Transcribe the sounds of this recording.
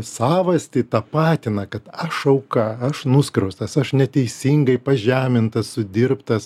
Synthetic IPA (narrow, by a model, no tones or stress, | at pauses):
sɑːʋɐsʲt̪ʲɪt̪ɑːpɑːt̪ʲɪnɐkɐt̪ɐʃɐʊkɐɐʃnʊskɾɐʊst̪ɐsɐʃnʲɛt̪ʲɛɪsʲiŋɡɐɪpɐʒʲæːmʲɪnt̪ɐssʊd̪ʲɪɾpt̪ɐs